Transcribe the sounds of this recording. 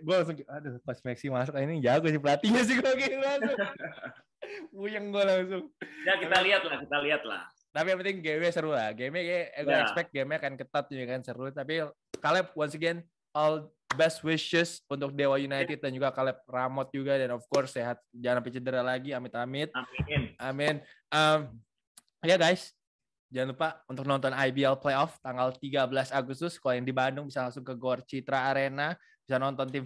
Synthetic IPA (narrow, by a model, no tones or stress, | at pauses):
ɡualaŋs̬ʊŋkadakɔsmɛksimas̬ʊk̚inid͡ʒaɡʊsɪpəlat̪iɲas̬iɡaɡɛlasʊ | ujəŋɡalaŋsʊŋjakit̪aliat̪̚lahkit̪aliɦat̪̚la̰h | t̪apiamənɪŋɡewesəɾʊtaɡemɛkɡɛspɛk̚t̪̚ɡemakankət̪at̪̚ɲuɡakansəɾʊt̪api | kalɛp̚wansəɡɛn | ɔl | bɛst̪̚wɪʃəsunt̪ʊk̚dewajunajt̪ɪt̪̚dand͡ʒuɡakalɛp̚ramɔt̪̚d͡ʒuɡadɛnɔfkɔrsːeɦat̪̚d͡ʒaanapit͡ʃədəɾalaɡiamɪt̪amɪt̪̚namɪn | əm | jaɡajs | d͡ʒaŋanlupaunt̪ʊk̚nɔnt̪ɔnajbiɛlplejɔft̪aŋɡalt̪iɡabəlasaɡust̪ʊskolajaŋdibandʊŋbisalaŋsʊŋkəɡɔrt͡ʃit̪ɾaːɾena | b̥isanɔnt̪ɔnt̪ɪm